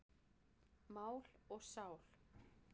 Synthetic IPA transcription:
maːwlɔɣsaːwl̥

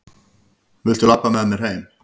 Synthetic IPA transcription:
vɪl̥t̪ʏlapːamɛmːɛɾ̥heːjm

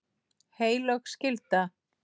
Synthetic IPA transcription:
heːjlœxscɪlt̪a

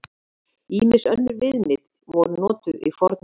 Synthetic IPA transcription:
iːmɪsœnːʏɾvɪðnɪð | vɔɾʏnɔːt̪ʏðḭfɔɾt̪n

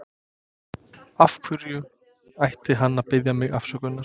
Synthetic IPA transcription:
afkʰvʏɾjʏ | ajht̪ɪɦanːaðpɪðjamɪɣa̰fsœkʏnːaɾ̥

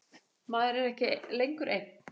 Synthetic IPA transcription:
maːðɛɾɛɾɛhcɪlejŋkʏɾʔejk̚n̥

